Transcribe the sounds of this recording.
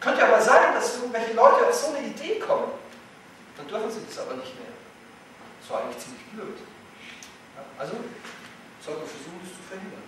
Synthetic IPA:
kʰœntəjaʔaːmɐzaːɡn̩d̥asʔɪɐɡŋ̩tvɛlçəlɔʏtəaʊfz̥oːnəideːkʰɔmən | d̥andʏɐfn̩ziːdasʔa̰ːbɐnɪçtmḛːɐ | ɛsv̥aːʔaɪŋtlɪçt͡siːmlɪçb̥løːt | jaːʔalzo | z̥ɔltufɛɐzuːxn̩dɪst͡sufɛɐhɪndɐ̰n

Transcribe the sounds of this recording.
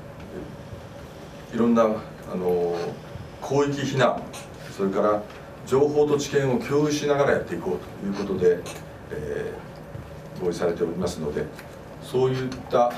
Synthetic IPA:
iɾõ̞nːa | a̰no̞ | kʰo̞ːikʲiçinãŋ | so̞ɾe̞kaɾa | d͡ʑo̞ːho̞ːt̪o̞t͡ɕi̥kẽ̞ɰ̃o̞kʲʰo̞ːiɕinaɡaɾaja̰t̪ːe̞iko̞ːt̪o̥jɯ̟ːko̞t̪o̞d̪e̞ | ɡo̞ːisaɾe̞t̪e̞o̞ɾʲimasɨno̞d̪e̞ | so̞ːjɯ̟t̪ːa

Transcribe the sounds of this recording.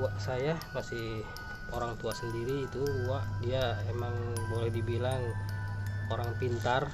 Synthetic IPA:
uaʔsajamasih | oɾaŋt̪uasəndiɾiːt̪uuwaʔdiaemaŋbolɛhdibilaŋ | oɾaŋpint̪ar

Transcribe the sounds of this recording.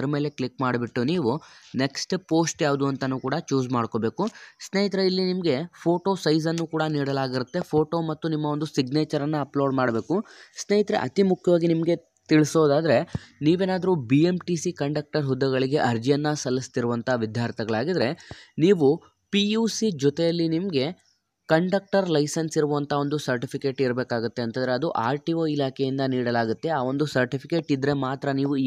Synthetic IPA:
ɐɾɐme̞ːle̞kɭikmaːɽbiʈːuniːʋune̞ksʈpo̞ːsʈjaːʋud̪uɐnt̪ɐnːuːkuːɽɐt͡ʃuːd͡ʒmaːɽko̞ːbeːkusneːjit̪ɾeilːinimɐɡe̞pʰoːʈo̞ːsɐjzɐnːukuːɽɐniːɽɐlaːɡiɾut̪ːe̞pʰo̞ːʈo̞ːmɐt̪ːunimːɐond̪usiɡneːt͡ʃɐɾɐnːɐːploːɖmaːɽbe̞ːkusneːjit̪ɾḛʔɐ̰t̪imukʰjɐʋaːɡinimɐɡe̞ | t̪iɭsoːd̪aːd̪ɐɾe̞niːʋeːnaːd̪ɐɾubiemʈisikɐɳɖɐk̚ʈɐɾɦud̪ːɐɡɐɭiɡe̞ʔɐɾd͡ʒijɐnːɐsɐlːist̪iɾuʋɐnt̪ʰaʋid̪ʱjaːɾt̪ʰɛɡɐɭaːɡid̪ɾe̞niːʋu | pijuːsid͡ʒɔt̪ɛjɐlːinimɐɡe̞ | kɐɳɖɐk̚ʈɐɾlɐjsɐnsiɾuʋʋɐnt̪ʰao̞nd̪usɐɾʈipʰike̞ːʈiɾbeːkaːɡut̪ːe̞ɐnt̪ɐnd̪ɾeɐd̪uʔaːɾʈioːilaːkʰejind̪ɐniːɽɐlaːɡut̪ːe̞aːʋo̞nd̪usɐɾʈipʰike̞ːʈid̪ɾe̞maːt̪ɾɐniːʋu

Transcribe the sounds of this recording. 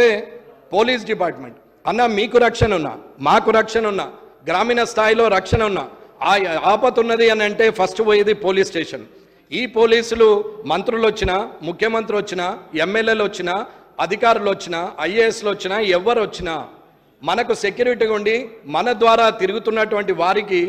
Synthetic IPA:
eːpo̞ːliːs̬ɖipaːɾʈmḛɳʈ̚ | ɐnːaːmiːkuɾɐkʂɐnɐunːa̰ːmaːkuɾɐkʂɐnɐunːa̰ːɡɾaːmiːnɐst̪ʰaːjilo̞ːɾɐkʂɐnɐunːa̰ːaːaːpɐt̪unːɐd̪iɐnɐɳʈe̞ːpʰɐsʈʋoːjed̪ipo̞ːliːsʈeːʂɐn | iːpo̞ːliːsulumɐnt̪ɾulot͡ʃːinɐmukʰjɐmɐnt̪ɾiot͡ʃːinɐemːeljeːlʋot͡ʃːinɐ | ɐd̪ʱikaːɾulʋot͡ʃːinɐɐjeeslot͡ʃːinɐɛʋːɐɾʋot͡ʃːinaː | mɐnɐkuse̞kjuːɾiʈiːɡuɳɖimɐnɐd̪ʋaːɾaːt̪iɾuɡut̪unːɐʈuʋɐɳʈiʋaːɾiki

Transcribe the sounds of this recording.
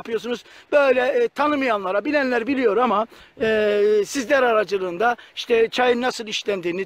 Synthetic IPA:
pʰɯjo̞sunuz̥b̥ø̞jlʲɛt̪ʰanɯmɯjanlˠaɾabilʲænlʲæɾbilʲijo̞ɾama | sizlʲæɾaɾad͡ʒɯlˠɯːnd̪aiʃt̪ʰɛt͡ʃʰajɯnːasɯlˠiʃlʲænd̪iːni

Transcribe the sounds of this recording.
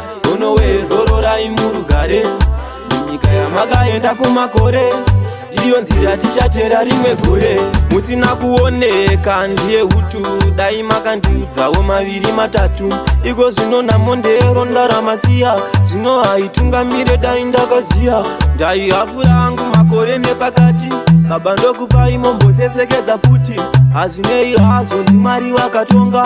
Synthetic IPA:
ɡʱono̞wezo̞ɾo̞ɾaimuɾuɡʱaɾe | muɲikajamakaendakumako̞ɾe̞ndijo̞nziɾatit͡ʃateɾaɾimwe̞ɡʱoɾemusinakuonekandije̞ɦutuɗaimakandiud͡zawo̞maʋiɾimatatuiko̞ʐino̞namo̞ndeɾo̞ndaɾamasijaʐino̞ɦaituŋɡamiɾe̞ɗaindakazijandaiɦafuɾaːŋɡumak̬o̞ɾe̞ne̞pakatiaɓandokupaimo̞mbʱo̞s̬e̞se̞ke̞d͡zafutiɦaʐine̞iɦazo̞ndimaɾiʋakato̞ːŋɡa

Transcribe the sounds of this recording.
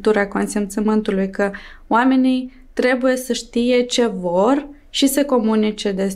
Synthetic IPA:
t̪uɾako̞nsemt̪səmɨnt̪ulujkə | oame̞nij | t̪ɾe̞buje̞səʃt̪ije̞t͡ʃe̞vo̞r | ʃisəko̞munit͡ʃe̞d̪e̞s

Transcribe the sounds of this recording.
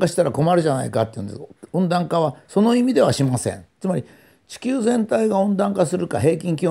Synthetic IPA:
kaɕi̥t̪aɾako̞maɾɯ̟ʑana̰ikat̪ːeiɯ̟̃nd̪esõnd̪ãŋkaβ̞aso̞no̞imʲid̪e̞β̞aɕimasḛ̃nt͡sɨmaɾʲi | t͡ɕi̥kʲɨːzẽ̞nt̪aiɡaõ̞nd̪ãŋkasɨɾɯka̰ɦe̞ːkʲĩŋk̬ʲiɨ

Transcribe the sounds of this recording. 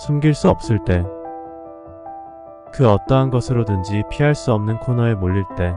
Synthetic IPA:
sʰumɡiɭs͈uʌp̚s͈ɯɭt͈e̞ | kɯʌt͈ʌɦanɡʌsʰɯɾodɯnd͡ʑipʰiɦaɭs͈uʌmnɯnkʰonʌemoʎːiɭt͈e̞

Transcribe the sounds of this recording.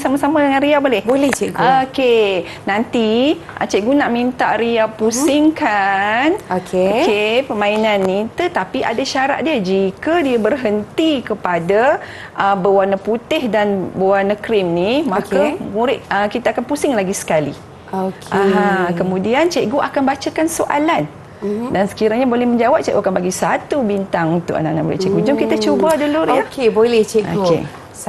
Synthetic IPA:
samasamadəŋãnɾiabolɛhbolɛht͡ʃɛʔɡooke | nant̪i | ʔa̰t͡ʃɛʔɡunaʔmint̪a̰ʔɾiapusɪŋkanokʰekepəmãinanːit̪ət̪apiʔa̰daʃaɾa̰t̪̚diəd͡ʒikədiəbərɦənt̪ikəpada | ʔəbəwanəput̪ɪhdanbəwanakɾimnimãkamuɾɪʔ̪̚əkit̪aakanpusɪŋlaɡisə̥kali | okʔaɦãkəmũdiant͡ʃɛʔɡoʔakanbat͡ʃakansoʔa̰lan | dansə̥kiɾaɲabolɛhmə̃ɲd͡ʒawap̚t͡ʃɛʔɡokanbaɡisat̪ubint̪aŋut̪uʔa̰na̰ʔnaʔmuɾɪ̰ʔt͡ʃɛʔɡud͡ʒʊmkit̪at͡ʃobadəluɾjahkebolɛht͡ʃɛo̰kkḛ

